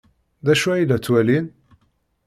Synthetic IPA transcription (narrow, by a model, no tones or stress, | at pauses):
ðæʃuilːæt͡sːwælin